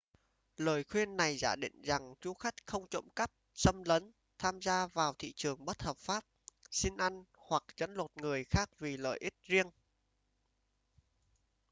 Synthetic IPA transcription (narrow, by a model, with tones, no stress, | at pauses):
ləː˨˩jxwi˧ənːa˨˩jza̰ː˧˩ɗḭ˧˨ŋ̟za˨˩ŋt͡ɕu˨˦xa˦˥jk̟̚xə˧wŋ͡mt͡ɕo̰˧˥mka˦˥p̚sə˧mlə˨˦n | t̪ʰaː˧mzaː˧vaː˨˩wt̪ʰḭ˧˨t͡ɕɨ˨˩əŋɓə˦˥t̚həː˨˩p̚faː˦˥p̚si˧ŋ̟ʔa˧jŋ̟ | hwa˨˩k̚t͡ɕə̰˨˦˥nlo˨˩t̚ŋɨ˨˩əjxaː˦˥k̚vi˨˩lə̰ː˧˨jʔi˦˥t̚zi˧əŋ